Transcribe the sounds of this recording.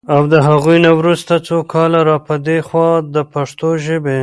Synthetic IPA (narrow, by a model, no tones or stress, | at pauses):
awd̪əɦaɣujnawɾust̪at͡sokʰɑlaɾɑpəd̪exwɑd̪əpaʂt̪oʒəbe